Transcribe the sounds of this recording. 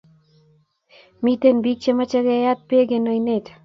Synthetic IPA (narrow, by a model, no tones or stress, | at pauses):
mit̪enbik̚t͡ʃemat͡ʃaɡejat̪̚peɡenojnet̪